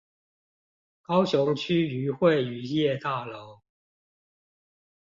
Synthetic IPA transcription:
kɑ˥ʊɕjʊ˧˥ŋt͡ɕʰy˥y˨˧˥xwe˥˨ɪy˨˩jɛ˥˧t̪a˥˩lo˧˥˦ʊ

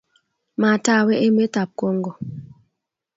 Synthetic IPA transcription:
ma˨ta˦˨we˦ʔe˦me˦ta˨p̚ko˦ŋ˦ɡɔ˨

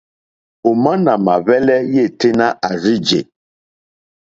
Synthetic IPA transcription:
o˨ma˦na˨ma˨βɛ˦lɛ˦je˦˨te˦na˦ʔa˨ɾi˦d͡ʒḛ˨

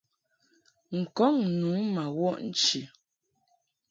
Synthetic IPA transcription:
ŋ̩˨kɔ˦ŋnu˨˦ma˨wɔ˦ʔn̩˦t͡ʃi˨

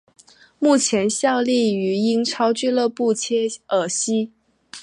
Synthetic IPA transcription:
mu˥˩t͡ɕʰjɛ˧˥nɕjɑ˥˧ʊli˥˩y˧˥i˥ŋʈ͡ʂʰɑ˥ʊt͡ɕy˥˧lɤ˥˧pu˥˩t͡ɕʰjɛ˥ə˨˩ɕi˥

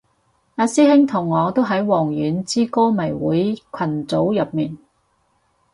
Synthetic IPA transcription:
aː˧siː˥hɪ˥ŋt̪ʰʊ˨˩ŋːɔː˨˧t̪o˥wɦɐ˨˥jwɔː˨˩ŋjyː˨˧nt͡siː˥koː˥mɐ˨˩jwṵː˨˥jkʷʰɐ˨˩nt͡so˨˥wjɐ˨p̚miː˨˩n

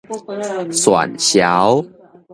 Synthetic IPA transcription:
swa̰˨˩nɕja˨˦w

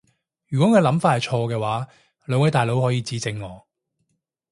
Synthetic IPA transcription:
jyː˨kʷwɔː˨˥ŋəː˧lɐ˨˥mfaː˧thɐ˨jt͡ʃʰɔː˧kɛː˧waː˨˥ | lœː˨˧ŋwɐ˨˥jt̪aː˨jlo˨˥whɔː˨˥jiː˧t͡siː˨˥t͡sɪ˧ŋːɔː˨˧

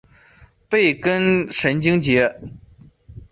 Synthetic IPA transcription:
pe˥˩ɪkə˥nʂə˧˥nt͡ɕi˥ŋt͡ɕjɛ˧˥

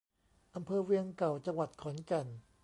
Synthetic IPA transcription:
ʔa˧mpʰɤː˧wi˧əŋka˨˩wt͡ɕa˧ŋwa˨˩t̪̚kʰɔ˩˦nka˧˩n

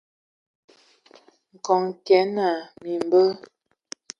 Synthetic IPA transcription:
ŋ̩˨kɔ˨ŋkɛ˨˦na˨mi˨m˨bə˦

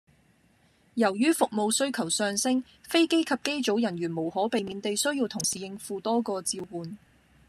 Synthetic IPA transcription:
jɐ˨˩wjyː˥fʊ˨k̚mo˧wsɵ˥ɥkʰɐ˨˩wsœː˧ŋsɪ˥ŋ | fe˥jke˥jkʰɐ˨p̚ke˥jt͡so˨˥wjɐ˨˩nɥyː˨˩nmo˨˩whɔː˨˥pe˨jmiː˨˧˥nt̪e˨jsɵ˥ɥjiː˧wt̪ʰʊ˨˩ŋsiː˨jɪ˧ŋfuː˧t̪ɔː˥kɔː˧t͡siː˧wwuː˨n

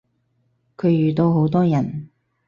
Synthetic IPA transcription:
kʰɵ˨˧ɥjyː˨˩t̪o˧wɦo˨˥wt̪ɔː˥jɐ˨˩n

